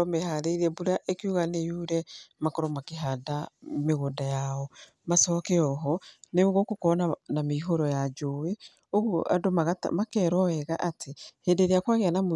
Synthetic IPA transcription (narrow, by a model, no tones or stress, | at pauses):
ɔmɛhaɾeiɾɛbuɾaʔekiuɣanejuɾɛmakɔɾɔmakeɦadameɣondajaɔ | masɔkɛɔɦɔneoɣokokɔnanameɦoɾɔjad͡ʒowe | oɣoʔa̰doma̰makɛɾɔɛɣaʔatʰeheːdeɾeakwaɣeanamo